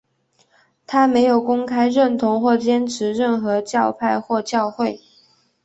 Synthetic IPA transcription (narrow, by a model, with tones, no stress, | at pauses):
t̪ʰa˥me˧˥ɪjo˨˩ʊkʊ˥ŋkʰa˥ɪɻə˥˩nt̪ʰʊ˧˥ŋxwɔ˥˩t͡ɕjɛ˥nʈ͡ʂʰɻ̩˧˥ɻə˥˩nxɤ˧˥t͡ɕjɑ˥˧ʊpʰa˥˧ɪxwɔ˥˧t͡ɕjɑ˥˧ʊxwe˥˩ɪ